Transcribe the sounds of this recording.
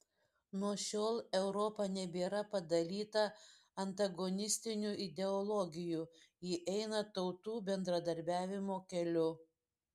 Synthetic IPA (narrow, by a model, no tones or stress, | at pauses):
nuɔʃʲoːlˠɛʊɾɔpɐnʲɛbʲeːɾɐpɐd̪ɐlʲiːt̪ɐ | ɐnt̪ɐɡɔnʲɪsʲt̪ʲɪnʲuʔɪd̪ʲɛɔlˠɔɡʲɪjuːjɪʔɛɪnɐt̪ɒʊt̪uːbʲɛnd̪ɾɐd̪ɐɾʲbʲæːʋʲɪmoːkʲɛlʲʊ